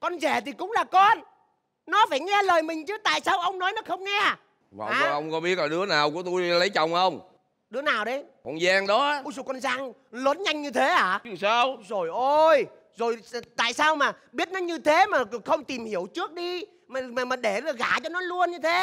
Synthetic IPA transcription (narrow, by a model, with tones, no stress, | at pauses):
kɔ˧nzɛ˧˩t̪ʰi˨˩kʊ̰˧˥ŋ͡mlaː˨˩kɔ˧n | nɔ˨˦faː˧˩jŋɛ˧ləː˨˩jmï˨˩ŋ̟t͡ɕɨ˨˦t̪a̰ː˧˨jsaː˧wʔə˧wŋ͡mnɔ˨˦jnɔ˨˦xə˧wŋ͡mŋɛ˧ | va̰˨˩aː˨˧˨ʔə˧wŋ͡mkɔ˨˦ɓi˦˥ət̚laː˨˩ɨ˨˦ənaː˨˩wku˧˩ət̪u˧jlə˨˦jt͡ɕə˨˩wŋ͡mhə˧wŋ͡m | ɗɨ˨˦ənaː˨˩wɗə˨˦jkɔ˧˩nzaː˧ŋɗɔ˨˦a˨˦˧zo˨˩kɔ˧nzaː˧ŋlwəː˨˦nɲa˧jŋ̟ɲɨ˧t̪ʰe˨˦ʔaː˧˩ɨ˨˧˩saː˧wzo˨˩jʔo˧j | zo˨˩jt̪a̰ː˧˨jsaː˧wmaː˨˩ | ɓi˦˥ət̚nɔ˨˦ɲɨ˧t̪ʰe˨˦maː˨˩kxə˧wŋ͡mt̪i˨˩mhi˧˩əwt͡ɕɨ˦˥ək̚ɗi˧ | maː˨˩maː˨˩maː˨˩ɗe˧˩zɣaː˧˩t͡ɕɔ˧nɔ˨˦lu˧ənɲɨ˧t̪ʰe˨˦